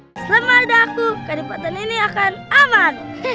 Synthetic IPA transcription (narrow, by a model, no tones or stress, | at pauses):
lamadak̚t̪ukadipat̪aniniakanamat̪̚